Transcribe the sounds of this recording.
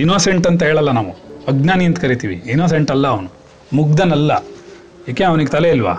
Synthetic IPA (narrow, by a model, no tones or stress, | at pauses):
inoːseɳʈɐnt̪ɐɦeːɭɐlːɐnaːʋuɐɡnaːnijɐnt̪ɐkɐɾit̪iːʋḭːnoːs̬eɳʈɐlːɐːʋɐnu | muɡ̚d̪ɐnɐlːɐ | jaːkeɐʋɐniɡet̪ɐleilʋa̰ː